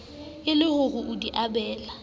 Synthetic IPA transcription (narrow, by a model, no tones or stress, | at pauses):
ɪlɪɣʊɣʊʔʊdiʔabɛːla